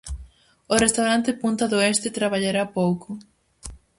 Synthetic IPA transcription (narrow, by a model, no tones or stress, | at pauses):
orest̪awɾant̪epũnt̪aðoest̪et̪ɾaβaʎaɾapowkʊ